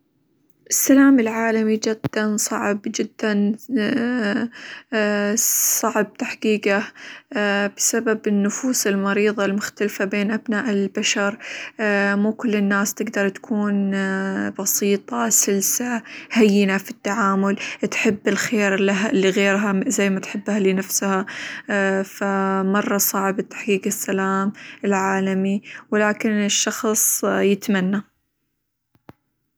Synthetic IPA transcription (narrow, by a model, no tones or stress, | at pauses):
ʔɪsːalaːmɪlʕaːlamid͡ʒɪd̪ːansˤɑʕbd͡ʒɪd̪ːan | sˤɑʕb̚t̪aħqiːqa | b̥ɪsababɪnːʊfuːsɪlmɑɾiːðˤɑlmʊxt̪alfabeːnʔabnaːʔɪlbaʃɑɾˤ | muːkʊlːɪnːaːst̪ɪɡd̪ɑɾˤt̪ḁkʰuːn | bɑsiːt̪ˤɑsɪlsahajːɪnafit̪ːaʕaːmʊlt̪ħɪbːɪlxeːɾɪlaɦalːiɣeːɾɦazajːmat̪ħɪbːhalinafsha | famɑrˤːɑsˤɑʕbɪt̪ːḁħkiːqɪsːalaːmɪlʕaːlamiwɪlaːkɪnɪʃːɑxsˤjɪt̪manːa